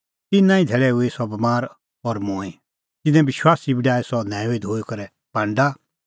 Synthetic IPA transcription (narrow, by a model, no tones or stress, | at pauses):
t̪ɪnãːĩd̪ʱɛːɭɛʊesɔbmaːɾ | ɔːɾmõːi | t̪ɪnɛ̃bɪʃwaːsibɪɖaːɛsɔnɛ̃ːʊid̪ʱoːikɐɾɛ | pãɳɖa